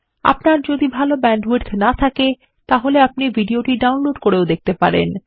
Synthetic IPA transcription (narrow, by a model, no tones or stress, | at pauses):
a̰pnaɾd͡ʑod̪ibʱalobɛɳɖweɾt̪ʰnat̪ʰake | t̪aɦoleap̚nibʱiɖioʈiɖawnloɖkoɾeod̪ek̚ʰt̪epaɾḛn